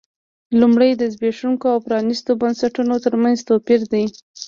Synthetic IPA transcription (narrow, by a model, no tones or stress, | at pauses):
lumɽəjd̪əzbeʂuŋkoawpɾɑnist̪obansaʈunot̪əɾmanzt̪opiɾd̪ij